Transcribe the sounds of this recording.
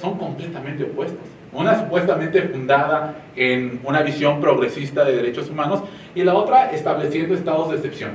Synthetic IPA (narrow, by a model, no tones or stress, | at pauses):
so̞ŋko̞mple̞t̪amẽnt̪eopwe̞st̪o̥s | unasupwest̪amẽnt̪e̞fund̪aða | enunaβisjo̞mpɾo̞ɣɾe̞sist̪aðe̞ðe̞ɾe̞t͡ʃosumãno̞s | ilao̞t̪ɾaʔest̪aβle̞sje̞nd̪oest̪aðozðese̞psjo̞̰n